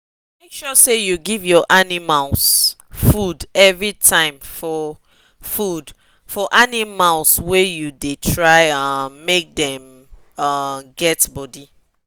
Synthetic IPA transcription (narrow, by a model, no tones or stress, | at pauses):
mekʃɔsejuɡivjɔʔanimals | fudɛvɹitʰãɪ̃mfɔ | fud | fɔʔanimalswɛjudetʰɹaɪʌːek̚dɛ̃m | ʌɡɛtbɔdi